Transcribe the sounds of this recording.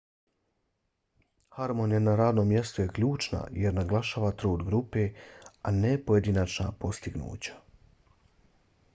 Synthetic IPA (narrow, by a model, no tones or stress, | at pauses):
haɾmonianaɾaːd̪no̞mːje̞st̪uje̞kʎuːt͡ʃna̰jeɾnaɡlˠaʃaːʋat̪ɾoːd̪ɡɾupeanepo̞jed̪inat͡ʃnapo̞st̪iɡnṵːt͡ɕḁ